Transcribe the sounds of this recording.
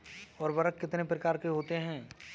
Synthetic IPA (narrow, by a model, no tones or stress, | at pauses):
ɔːɾbɐɾəkːɪt̪nepɾɐkaːɾkeɦoːt̪eɦɛ̃ː